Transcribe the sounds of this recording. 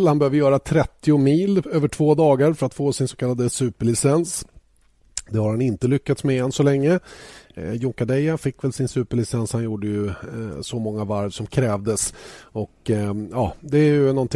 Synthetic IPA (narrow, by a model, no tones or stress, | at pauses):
lhanbɛhøːvəɾjœːɾat̪ʰɾɛt̪ːɪʊmiːløːvəʈʰv̥oːd̪ɑːɡaɾfœɾat̪foːsɪnsɔkʰalːad̪əsʉ̟ːpəɭɪsɛns | d̪ɛhaɾhanɪnt̪əlʏkːat̪smɛɛnsɔlɛŋːə | jʊŋkad̪ɛjafɪkːvɛlsɪnsʉ̟ːpəɭɪsɛnshanjuːɖəjɵsɔmɔŋːavaɾvsɔmkʰɾɛːvd̪əsɔkjɑːd̪ɛæɾjɵnɔnt̪ʰ